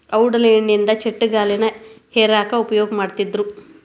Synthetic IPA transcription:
ɐwɽɐleːɳːind̪ɐt͡ʃeʈːuɡaːlɛnɐheːɾaːkɐupɐjɔːɡɐmaːɖt̪id̪ːɾu

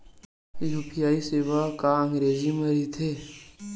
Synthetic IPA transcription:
lupʰijaːiseːʋakaə̃ŋɡɾeːziməɾit̪ʰeː

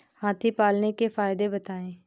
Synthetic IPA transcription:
haːt̪ʰipaːlnekefaːɪd̪ebət̪aːẽː

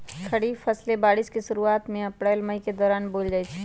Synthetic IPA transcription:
kʰɐɽifʰɐslebaːɽɪskeʃʊɾuaːt̪mẽɐpɾɛːlməiked̪ɔːɾaːnboːld͡ʒaːit͡ʃʰi̥

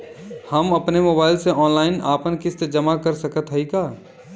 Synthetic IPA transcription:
hɐmɐpnemoːbaːɪlseʔɔːnlaːɪnaːpənkɪst̪ed͡ʒɐmakɐɾsɐkət̪ɦɐikaː

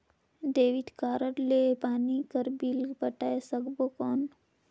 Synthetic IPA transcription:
d̪eːʋit̪kaːɾəɽleːpaːnikəɾbilɡbɐʈaːesəɡbokɔːn

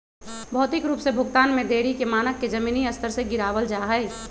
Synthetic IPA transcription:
bʱɔːt̪ɪkɾuːpsebʱʊɡt̪aːnmẽd̪eːɾikemaːnəkːed͡ʒɐmiːniɐst̪əɾseɡɪɾaːʋəld͡ʒaːɦəɪ

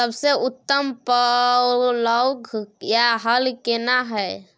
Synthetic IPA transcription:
səbseut̪ːəmpə | ləɡʱjaɦəlkenaɦəj

